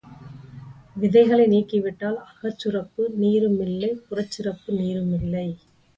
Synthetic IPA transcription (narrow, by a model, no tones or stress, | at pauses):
ʋɪðɐɪɣɐɭɐɪniːkːɪʋɪʈːaːlɐɣɐt͡ʃːɯrɐpːɯniːɾɯmɪlːɐɪpʊrɐt͡ʃːɯɾɐpːɯniːɾɯmɪlːɐɪ